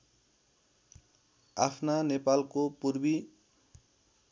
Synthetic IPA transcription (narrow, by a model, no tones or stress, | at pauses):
a̰pʰnanepalkopuɾbi